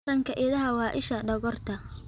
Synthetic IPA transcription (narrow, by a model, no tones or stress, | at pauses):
ɾɐŋkʰɐʔɪðɐɦɐwɑːʔɪʃɐɖɐɣɔrt̪ʰɐ